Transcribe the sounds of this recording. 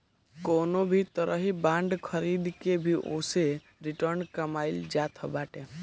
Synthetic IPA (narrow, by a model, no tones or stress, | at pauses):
koːnobʱit̪əɾʔəɦibãːɳɖkʰəɾiːd̪kebʱiʔo̰ːse | ɾɪʈəɾnkəmaːɪld͡ʒaːt̪ʰɦəbaːʈe